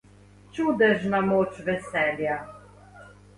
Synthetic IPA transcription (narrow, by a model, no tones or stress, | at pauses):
t͡ʃud̪ɛʒnamoːt͡ʃʋɛsɛlja